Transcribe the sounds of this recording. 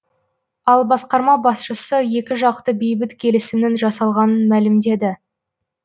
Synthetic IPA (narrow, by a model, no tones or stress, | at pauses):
ɑlˠbɑsqɑɾmɑbɑsʃəsəje̞kʲɪʒɑq̚t̪əbe̞jbɪt̪kʲʰe̞lɪsɪmnɪŋʒɑsɑlˠʁɑnənmælɪmd̪e̞d̪ɪ